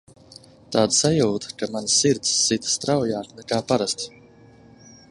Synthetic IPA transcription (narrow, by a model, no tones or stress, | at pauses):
t̪aːd̪sajuːt̪ḁkamanʲsːiɾt̪sːit̪ḁst̪ɾawjaːnɛkaːpaɾast̪i̥